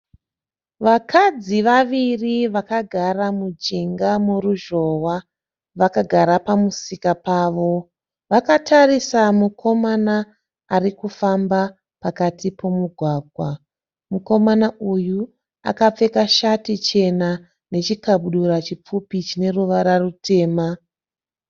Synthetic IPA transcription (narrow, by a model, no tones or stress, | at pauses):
ʋakʰad͡ziʋaʋiriʋakaɡʱaramud͡ʒiŋɡamuruʒo̞wa | ʋakaɡʱaɾapamusikapaːʋo̞ | ʋakatʰarisamukʰo̞manaː | rikufamba | pakatipo̞muɡʱwaːɡʱwa | muko̞manauju | a̰kap͡fe̞kaʃatit͡ʃe̞na | ne̞t͡ʃikaɓuɗuɾat͡ʃip͡fupit͡ʃine̞ruʋaɾarute̞ːma